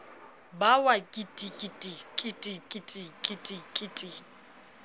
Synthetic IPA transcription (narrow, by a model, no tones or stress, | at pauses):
bawakʼitʼikʼitʼikʼɪtʼikʼitʼikʼɪtʼikʼɪtʼi